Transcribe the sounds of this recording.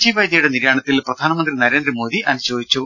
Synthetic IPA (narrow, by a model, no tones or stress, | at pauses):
d͡ʑiʋɐjd̪jɐjuɽeniɾjaːɳɐt̪ːilprɐd̪ʱaːnɐmɐnd̪rinɐɾe̞ːndɾɐmo̞ːd̪iʔʔɐnuɕoːd̪it͡ɕːu